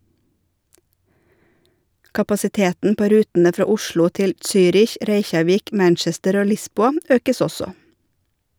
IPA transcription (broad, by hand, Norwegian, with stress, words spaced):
kɑpɑsɪˈteːtn̩ ˈpoː ˈɾʉːtn̩ə ˈfɾɑː ˈʊʃlʊ ˈtɪl ˈsyːɾɪç ˈɾeɪçɑˌʋiːk ˈmænt͡ʃɛstəɾ ˈoː ˈlɪsbuːɑ ˈøːkəs ˈɔsɔ